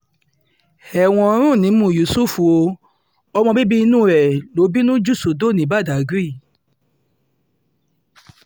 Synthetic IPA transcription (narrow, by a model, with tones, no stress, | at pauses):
ɛ˨w̃ɔ̃˧˦ɾ̃ũ˦˨nĩ˨˦mũ˦˧˨ju˨su˦fu˨o˧ | ɔ˧mɔ̃˧bi˦bi˦i˧nũ˦ɾɛ˨lo˨˦bi˦nũ˦d͡ʒu˦˨su˨do˦˨nĩ˨˦ba˦˨da˨ɡɾi˦˨